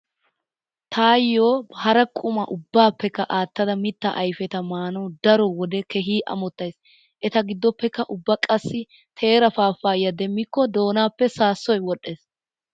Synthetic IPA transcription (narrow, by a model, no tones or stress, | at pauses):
t̪ʰaːjːoːhɐɾɐkʼʊmɐ̰ʔʊbːaːpːɛkːɐʔaːt̪ːɐd̪ɐmɪt̪ːɐ̰ʔɐjfɛt̪ɐmaːnɔd̪ɐɾɔwɔd̪ɛkɛɦiːʔɐ̰mɔt̪ːɐjs | ʔɛt̪ɐɡɪd̪ːɔpːɛkːɐʔʊbːɐkʼɐsːɪ | t̪ʰe̞ːɾɐfaːfːaːjːɐd̪ɛmːɪkːɔd̪o̞ːnaːpːɛsaːsːɔjwɔɗːeːs